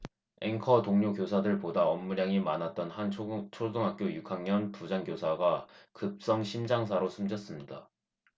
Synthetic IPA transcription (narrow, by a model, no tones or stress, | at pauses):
e̞̰ŋkʰʌtoŋɲokjosʰadɯɭpodaʌmːuɾjaŋimanat̚t͈ʌnhant͡ɕʰodoŋɦak̚k͈jojukʰaŋɲʌnpud͡ʑaŋɡjosʰaɡakɯp̚s͈ʌŋɕʰimd͡ʑaŋsʰaɾosʰumd͡ʑʌs͈ɯmɲida̰